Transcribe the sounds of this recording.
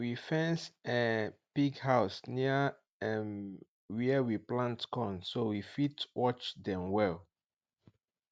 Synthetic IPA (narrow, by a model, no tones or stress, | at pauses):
wifɛ̃nsɛpiɡhaʊsniə | ɛm | wiəwiplãntkɔ̃nsowifitwɔt͡ʃdɛ̃mwɛl